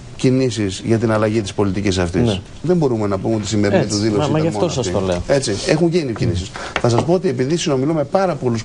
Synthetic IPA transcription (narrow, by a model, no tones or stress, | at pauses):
cinisizʝɐt̪inɐlɐʝit̪ispo̞lit̪icisɐft̪ins | ðe̞mbo̞ɾume̞nɐpumeo̞t̪i̥simeɾinit̪uðilosɐɐfmot̪oɐsɐsioleoe̞t͡sie̞xuɲɟenicinisisθɐs̬ɐspoot̪iepiðisino̞milume̞pɐɾɐpo̞lus